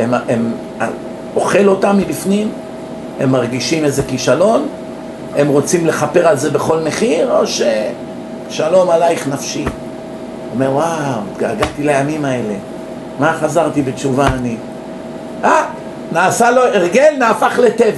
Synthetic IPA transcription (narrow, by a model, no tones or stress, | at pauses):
emem | a̰ | o̞χe̞lo̞tamːibifnim | e̞mːaʁɡiʃimezekiʃalo̞n | e̞mʁo̞t͡simle̞χape̞ʁalze̞beχo̞lme̞χiʁo̞ʃe | ʃalo̞malaiχnafʃi | ome̞ʁwawɡaːɡat̪ilajamimae̞le̞̰ | maχazaʁt̪ibet͡ʃuvaːni | ak | naːsalo̞eʁɡe̞lnaːfaχle̞te̞va